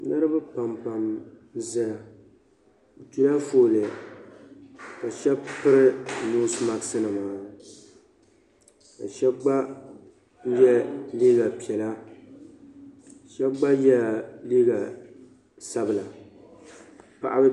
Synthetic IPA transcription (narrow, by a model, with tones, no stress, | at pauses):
nɨ˦ɾɨ˦bɨ˦pa˨mpa˨m | zɛ˨ | tu˨la˦foː˨lɨ˨ | ka˨ʃɛ˦bpɨ˦ɾɪ˦no˦sma˨ksɨ˦nɨ˨maː˦ | ka̰˨ʃɛ˦ɡ͡ba˦ | jɛ˦liː˦ɡa˨pi˨ɛ˨la˦˨ | ʃɛ˦ɡ͡ba˦jɛ˦liː˦ɡa˨ | sa˦bɨ˨la˨ | pa˨ʔa˦bɨ˦